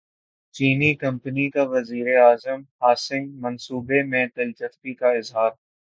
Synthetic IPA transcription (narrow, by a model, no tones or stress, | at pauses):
t͡ʃiːnikɐ̃mpənikaʋɐziːɾeaːzəmhaːsɪ̃ŋɡmɐnsuːbemẽt̪ɐlt͡ʃəft̪ikaɪzɦaːɾ